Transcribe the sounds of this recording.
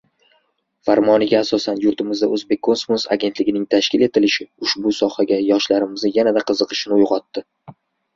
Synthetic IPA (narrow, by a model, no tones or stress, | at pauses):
faɾmɒnɪɡʲaːsɒsanjʊɾt̪ʰɪmɪzd̪aɵzbe̞k̚ʲʰːo̞nsmosa̰ɡʲe̞t̪lɪɡʲɪnɪŋt̪ʰaʃkʲɪle̞t̪ʰɪlɪʃɪʊʃbʊsɒhaɡʲajɒʃlaɾɪmɪznɪjanad̪aqʰɨzɨqʰɨ̥ʃɪnɪʊjʁɒt̪ːɪ